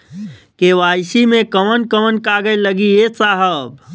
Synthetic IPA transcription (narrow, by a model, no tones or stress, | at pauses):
keʋaːsimẽkəmənkəmənkaɡəeləɡiesaɦəb